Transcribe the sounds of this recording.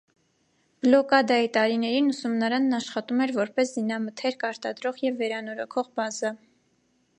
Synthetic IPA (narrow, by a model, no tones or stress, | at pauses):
b̥lɔkɑd̪ɑjit̪ɑɾinɛɾinusumnɑɾɑnːɑʃχɑt̪umɛɾvɔɾpɛszinɑmət̪ʰɛɾkɑɾt̪ɑd̪ɾɔʁjɛvːɛɾɑnɔɾɔkʰɔʁbɑzɑ